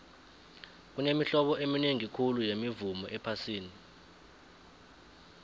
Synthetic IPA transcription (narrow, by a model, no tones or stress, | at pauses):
k̬unemiɬɔɓɔʔemineŋikʰulujemivumɔʔɛpʰasiːni